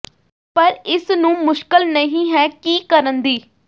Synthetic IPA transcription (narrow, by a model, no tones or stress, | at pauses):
pəɾɪsnũːmʊʃkəlnəɦĩːɦɛːkiːkəɾənd̪iː